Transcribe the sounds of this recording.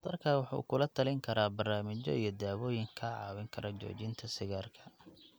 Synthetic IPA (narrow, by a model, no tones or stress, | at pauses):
d̪ɐrkʰawɑħṵːkʰʊlɐt̪ʰɐlɪŋkʰɐɾaːbɐrnaːmɪt͡ʃɔ̰ijɞd̪aːwɔːjɪŋkʰaʕɑ̰ːwɪŋkʰɐɾɐt͡ʃɔ̰ːt͡ʃɪnt̪ʰɐsɪɣaːrkʰɐ̥